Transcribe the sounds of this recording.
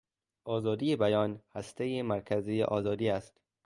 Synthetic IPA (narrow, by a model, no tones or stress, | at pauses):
ʔɒːzɒːd̪iːebæjɒːnhæst̪ejemæɾkʰæziːjḛʔɒːzɒːd̪iːæst̪